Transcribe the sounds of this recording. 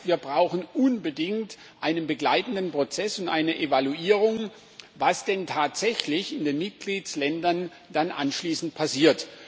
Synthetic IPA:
viːɐbʁaʊxn̩ʔʊnbədɪŋt | ʔaɪnənbəɡlaɪtn̩dən̩pʁ̥ot͡sɛsʊntʔaɪnəʔevaluʔiːʁ̞ʊŋ | vasd̥ɛntʰaːtz̥ɛçlɪçɪndeːnmɪt̚ɡ̥liːtslɛndɐn | d̥anʔa̰nʃliːsn̩t̚pʰasiːɐt

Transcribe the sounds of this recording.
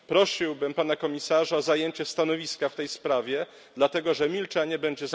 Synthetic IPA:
pɾɔɕiwbɘmpanakɔmʲisaʐaɔzajeɲt͡ɕɛst̪anɔvʲiskaft̪ɛjspɾavʲjɛ | d̪lat̪ɛɡɔʐɛmʲilt͡ʂɛɲɛbɛɲd͡ʑɛz

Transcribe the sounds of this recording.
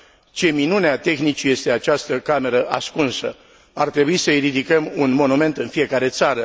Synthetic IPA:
t͡ʃe̞minuneat̪e̞xnit͡ʃje̞st̪e̞at͡ʃast̪əkame̞ɾəʔaskunsə̰ | art̪ɾe̞buisəiɾid̪ikəmunmo̞nume̞nt̪ɨnfije̞kaɾe̞t̪saɾə

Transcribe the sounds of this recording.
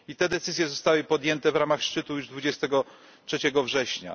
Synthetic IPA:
it̪ɛd̪ɛt̪sɘzjɛzɔst̪awɘpɔd̪ʲjɛnt̪ɛvɾamaxʂt͡ʂɘt̪ujuʐd̪vud͡ʑɛst̪ɛɡɔ | tʂɛt͡ɕɛɡɔvʐɛɕɲa̰

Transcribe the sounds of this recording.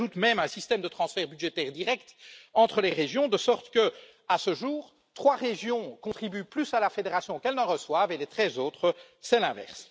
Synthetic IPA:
ut̪mɛmɛ̃sist̪ɛmd̪ət̪χɑ̃sfɛʁbyd̪ʒet̪ɛʁd̪iʁɛkt̪ɑ̃t̪χəleʁeʒjɔ̃d̪əsɔʁt̪kə | asəʒuːʁ | t̪χwaʁeʒjɔ̃kɔ̃t̪χibyplysalafed̪eʁasjɔ̃kɛlnɑ̃ʁəswavelɛt̪χɛzoːt̪χə | sɛlɛ̃vɛ̰ʁs

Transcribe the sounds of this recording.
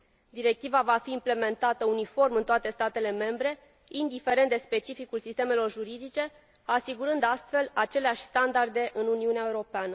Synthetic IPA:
d̪iɾe̞k̚t̪ivavafiːmple̞me̞nt̪at̪əunifo̞rmɨnt̪oat̪e̞st̪at̪e̞le̞me̞mbɾe̞ | ind̪ife̞ɾe̞nt̪d̪e̞spe̞t͡ʃifikulsist̪e̞me̞lo̞rʒuɾid̪it͡ʃe̞ | asiɡuɾɨnd̪ast̪fe̞lat͡ʃe̞leaʃʲst̪and̪ard̪e̞ʔɨnuniuneaeuɾo̞peanə

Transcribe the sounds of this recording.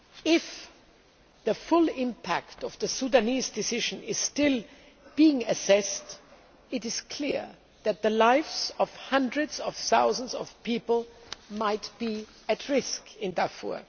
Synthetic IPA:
ɪf | ðəfʊlˠɪ̃mpʰæktʌvðɨsudanizdɨsɪʒɨ̃nɪz̥stɪlˠ | b̥iɪ̃ŋɨsɛst | ɪɾɪz̥kʰl̥ɪɹ | ðɨt̪̚ðəlaɪfsʌv̥hʌ̃ndɹɨdz̥ʌv̥θaʊzə̃nzʌv̥pipl̩ˠmaɪtb̥i | ɨtʰɹɪskɪ̃ndafṵɹ

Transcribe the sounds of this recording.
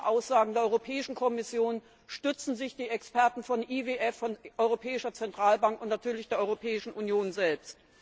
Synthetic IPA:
ʔaʊsz̥aːɡŋ̩deːɐʔɔʏʁopʰɛːɪʃn̩kʰɔmɪsjoːn | ʃtʏt͡sn̩zɪçd̥iːɛkspɛɐtn̩fɔnʔiveʔɛfːɔnʔɔʏʁ̞opʰɛːɪʃɐt͡sɛntʁ̥aːlbaŋkʊntnatʰyːɐlɪçd̥eːɐʔɔʏʁopʰɛːɪʃn̩ʔunjoːnzɛlpst

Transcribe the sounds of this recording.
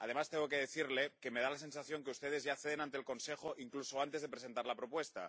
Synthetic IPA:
að̞e̞mast̪eŋɡo̞keðeθiɾle̞keme̞ðalase̞nsaθjo̞ŋkeust̪e̞ð̞e̞zʝaθeðenãnt̪eːlko̞nsexoʔiŋklusoant̪ezðe̞pɾese̞nt̪aɾlapɾo̞pwe̞st̪a̰

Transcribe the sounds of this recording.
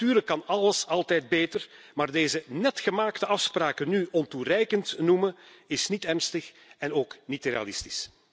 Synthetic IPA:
tyːrləkːɑnɑləsɑlˠtɛjd̚beːtər | maːrdeːzənɛtxəmaːktəɑfspraːkənyʔɔnturɛjkəntnumə | ɪsnitɛrnstəx | ɛnoːknitrḛa̰lɪsti̥s

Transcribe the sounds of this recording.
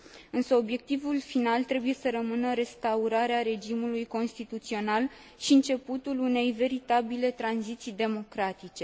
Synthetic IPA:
ɨnsəo̞bje̞k̚t̪ivulfinalt̪ɾe̞buje̞səɾəmɨnəɾe̞st̪auɾaɾeaɾe̞d͡ʒimulujko̞nst̪it̪ut̪sio̞nal | ʃiɨnt͡ʃe̞put̪ulune̞jve̞ɾit̪abile̞t̪ɾanzit̪sijd̪e̞mo̞kɾat̪it͡ʃe̞

